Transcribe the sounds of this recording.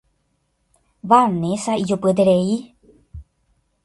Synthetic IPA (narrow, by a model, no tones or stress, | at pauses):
βanẽsaid͡ʒupɨd̪eɾei